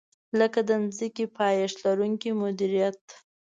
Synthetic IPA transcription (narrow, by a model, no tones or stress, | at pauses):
ləkad̪ənzikipʰɑjaʂlaɾuŋkimʊd̪iɾijat̪̚